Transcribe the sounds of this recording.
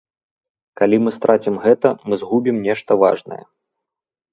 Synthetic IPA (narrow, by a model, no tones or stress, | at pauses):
kalʲimɨst̪ɾʔat͡sʲimɣɛt̪ɐmɨzɣubʲimnʲɛʂt̪ɐva̰ʐnɐ̰jɛ̰